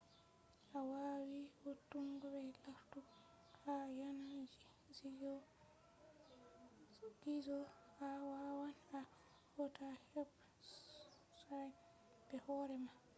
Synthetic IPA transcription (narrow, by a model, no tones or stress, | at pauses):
ʔawawiwotːuŋɡɔbɛlaftu | hajanad͡ʒi | zijɔ | ɡizɔhawawana | wɔtahɛb | saj | bɛhɔɾɛma